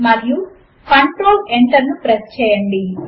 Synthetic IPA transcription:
mɐɾiju | kɐɳʈɾoːleɳʈɐɾnupɾɐst͡ʃɛːjɐɳɖi

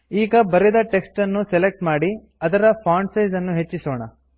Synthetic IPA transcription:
iːɡɐbɐɾed̪ɐʈe̞ksʈɐnːuselek̚ʈmaːɽi | ɐd̪ɐɾɐpʰaːɳɖsɐjzɐnːuɦet͡ʃːisoːɳɐ̰

